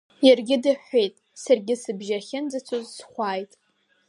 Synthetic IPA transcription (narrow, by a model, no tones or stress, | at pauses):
jarɡʲɪdɨħʷejtʼsarɡʲɪsɨbʒaχʲɪnd͡zat͡sʷʰozsχʷaːjtʼ